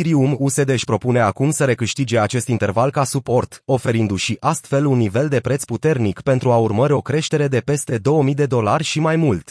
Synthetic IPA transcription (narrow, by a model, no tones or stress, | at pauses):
iɾiumuse̞d̪eʃʲpɾo̞pune̞akumsəɾe̞kɨʃt̪id͡ʒe̞at͡ʃe̞st̪int̪e̞rvalkasupo̞rt̪o̞fe̞ɾind̪uʃiʔʔast̪fe̞lunːive̞ld̪e̞pɾe̞t̪sput̪e̞rnikpe̞nt̪ɾuaurməɾʲo̞kɾe̞ʃt̪e̞ɾe̞d̪e̞pe̞st̪e̞d̪o̞wəmijd̪e̞d̪o̞larʲʃimajmult̪